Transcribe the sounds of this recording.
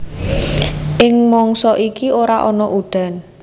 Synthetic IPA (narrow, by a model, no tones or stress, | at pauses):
ʔɪŋmɔŋsɔʔikioɾaʔɔnɔʔuɖ̪̥a̤n